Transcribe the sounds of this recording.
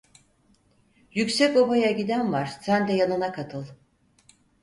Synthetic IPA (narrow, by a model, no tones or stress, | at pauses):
jycʲsɛco̞bajaɟid̪ænvaɾ̥sænd̪ɛjanɯnakʰat̪ʰɯlˠ